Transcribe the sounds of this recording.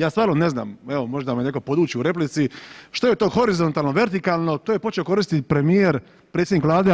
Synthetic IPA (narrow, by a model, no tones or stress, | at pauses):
jaːst̪ʋaːɾnone̞zna̰ːmeʋomo̞ʒd̪amenekopo̞d̪uːt͡ɕiuɾe̞plit̪siʃt̪ojet̪oxo̞ɾizo̞nt̪aːlˠnoʋe̞ɾt̪ikalˠno̞t̪ojepo̞t͡ʃe̞oko̞ɾist̪it̪pɾe̞mijeɾ | pɾet̪sʲjed̪nikʋlˠaːd̪e